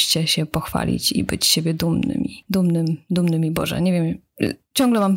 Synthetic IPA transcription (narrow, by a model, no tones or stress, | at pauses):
t͡ɕɛɕɛpɔxfa̰lʲḭt͡ɕḭbɘt͡ɕɕebʲjɛd̪umnnɘ̰mʲid̪umnɘmd̪umnɘmibɔ̰ʐɛ̰ɲevʲjɛm | t͡ɕɔ̃ŋɡlɛmam